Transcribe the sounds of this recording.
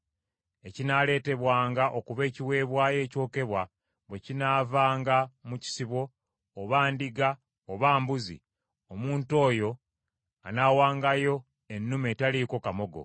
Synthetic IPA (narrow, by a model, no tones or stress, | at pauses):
e̞cinaːle̞ːte̞βwaːŋɡaʔo̞kuβe̞ːciwe̞ːβwaːje̞ːco̞ːke̞βwa | βwecinaːvaːŋɡamuci̥siβo̞ː | βaːndiɡa | oβaːmbuzḭ | omuːnto̞ːjo̞ | anaːwaːŋɡajo̞ | enːumeːtaliko̞kamo̞ɡo̞̰